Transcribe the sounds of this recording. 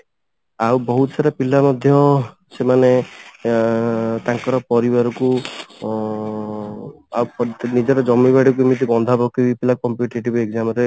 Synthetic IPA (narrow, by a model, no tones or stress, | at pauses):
awbɔɦut̪ɔsaɾapilamɔd̪ʱjɔ | semane | t̪ãŋkɔɾɔpɔɾibaɾɔku | awpɔnid͡ʒɔɾɔd͡ʒɔmiβaɽik̬umit̪ikɔnd̪ʱabɔkibipilakɔmpjuʈeʈibekzamɔɾe